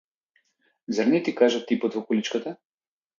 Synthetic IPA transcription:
zaɾnɛt̪ikaʒət̪ipət̪vokolit͡ʃkət̪a

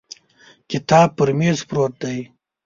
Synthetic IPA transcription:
kɪt̪ɑːb̚pəɾmezpɾoːt̪̚d̪aj

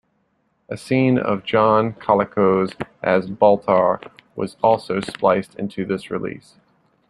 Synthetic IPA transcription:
ʔɨsĩnʌ̰vd͡ʒɑ̃nkʰɑlˠɨkʰoʊzʔɨzbɔlˠtʰɑɹwʌ̰zɔlˠsoʊsplaɪstʰɪ̰̃ntʰʉðɪsɹɨlḭs

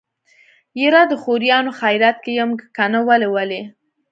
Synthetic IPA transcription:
jeɾɑd̪əxoɾjɑnoxajɾat̪̚kejamɡkanawalewale

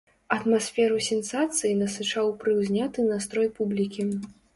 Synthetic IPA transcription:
ɐt̪masʲfʲɛɾusʲɛnsat̪sɨjinɐsɨt͡ʂawpɾɨwzʲnʲat̪ɨnast̪ɾɔjpublʲikʲi

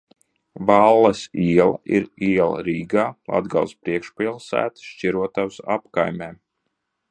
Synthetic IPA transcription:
valˠːɛsiɛlˠa̰ʔiɾiɛlˠɐ̰ɾiːɡaːlˠʔa̰d̪ɡalˠspɾiɛkʃpilˠsæ̰ːt̪ʃt͡ʃiɾuɔt̪awsapkajmʲɛːm

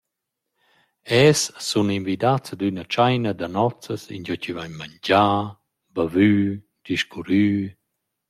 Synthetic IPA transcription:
ɛsːuninvid̪at͡sd̪ynat͡ʃajnad̪anɔt͡səsḭnd͡ʒɔt͡ɕivajɲmaɲd͡ʑaː | bavyː | d̪̥iʃkuɾyː

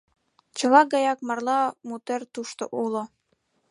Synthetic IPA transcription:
t͡ɕɤ̆lɑɡɑjɑk̚mɑrlɑmut̪ert̪uʃt̪oʔulo

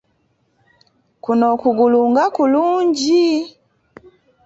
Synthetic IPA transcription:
kunɔkuɡuluŋɡakuluɲd͡ʒi

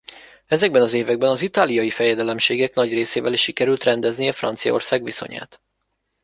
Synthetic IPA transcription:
ɛzɛɡ̚bɛnɒzeːvɛɡ̚bɛnɒzit̪aːlijɒjifɛjɛd̪ɛlɛmʃeːɡɛknɒɟreːseːvɛliʃːikɛɾylt̪rɛnd̪ɛzniɛfrɒ̰nt̪sijɒ̰o̞̰rsaːɡʋiso̞̰ɲa̰ːt̪

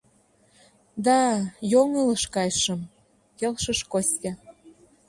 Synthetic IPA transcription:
d̪ɑjoŋələʃkɑjʃə̆m | kelʃə̆ʃkosʲtʲɑ

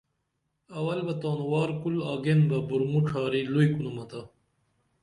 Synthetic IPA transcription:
ɐwɐlbɐt̪oːnwaːɾkulaːɡenbɐbuɾmuʈ͡ʂʰaːɾiluikunumɐt̪ɐ

